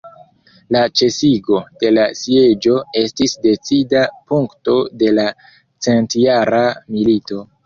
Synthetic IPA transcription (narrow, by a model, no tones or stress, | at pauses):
lat͡ʃe̞siɡo̞d̥e̞lasie̞d͡ʒo̞e̞stisde̞t͡sidapuŋkto̞de̞la | t͡se̞ntjaɾamilito̞